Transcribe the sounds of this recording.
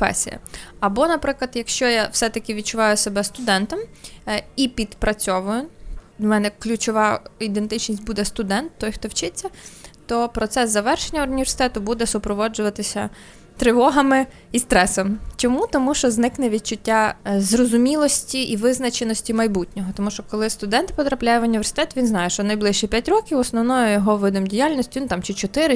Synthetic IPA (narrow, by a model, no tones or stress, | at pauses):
pɛ̰sʲḭjɐ̰ɐbɔnɐpɾɪklˠɐd̪jɐkʃt͡ʃɔjawsɛt̪ɐkʲɪʋʲid̪̚t͡ʃʊʋɑjʊsebɛst̪ʊd̪ɛnt̪ɔm | ipʲid̪pɾɐt͡sʲɔʋʊjʊmɛnɛklʲʊt͡ʃɔʋɑid̪ent̪ɪt͡ʃnʲisʲtʲbud̪ɛst̪ʊd̪ɛnt̪ːɔjxt̪ɔwt͡ʃɪt͡sʲːɐt̪ɔpɾɔt̪sɛszɐʋɛrʃenʲːɐʊnʲiʋʲersɪ̥t̪ɛt̪ʊbud̪ɛsʊpɾɔʋɔd͡ʒʊʋɐt̪ɪsʲɐ | t̪ɾɪʋɔɦɐmɪ | ist̪ɾɛsɔmt͡ʃɔmut̪ɔmuʃt͡ʃɔznɪknɛʋʲid̪̚t͡ʃʊtʲːazrɔzʊmʲilˠɔsʲtʲiʔiʋɪznɐt͡ʃenɔsʲtʲimɐjbutʲnʲɔɦɔt̪ɔmuʃt͡ʃɔkɔlˠɪst̪ʊd̪ɛnt̪pɔt̪ɾɐplʲajɛʋʊnʲiʋʲersɪ̥t̪ɛt̪ʋʲinznɑjɛʃt͡ʃɔnɐjblˠɪʃt͡ʃɛpʲjatʲɾɔkʲiwɔsnɔʋnɔjɔjɔɦɔʋɪd̪ɪmdʲijalʲnʲɔsʲtʲinut̪ɑmt͡ʃɪt͡ʃɔt̪ɪɾɪ